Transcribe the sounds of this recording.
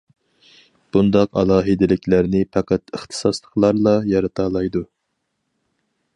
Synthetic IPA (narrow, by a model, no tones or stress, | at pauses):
b̥und̪ɑqɑlˠɑːɦɨd̪ɪlɪkʲlæɾnɪpʰɑqæt̪əχt̪ʰɨ̥sɑslˠəqlˠɑɾlˠɑjɑɾɨt̪ʰɑːlˠɑjd̪u